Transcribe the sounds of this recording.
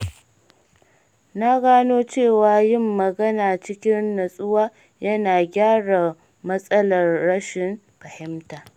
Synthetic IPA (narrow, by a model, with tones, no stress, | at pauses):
na˦ɡaː˦noː˦t͡ʃeː˦˨waː˨jɪ˦˨mːɐ˨ɡɐ˦naː˨t͡ʃɪ˦kʲɪ˦nːɐ˨sʼʊ˦waː˦ | jɐ˦naː˨ɡʲaː˦ɽa˨ | mɐ˦sʼɐ˦lɐ˨rɽɐ˦ʃɪ˨m | ɸɐ˨hɪ˦mtaː˨